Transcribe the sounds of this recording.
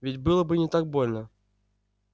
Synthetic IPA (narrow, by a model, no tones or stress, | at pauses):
vʲɪtʲbɨlˠəbɨnʲɪt̪ak̚bolʲnə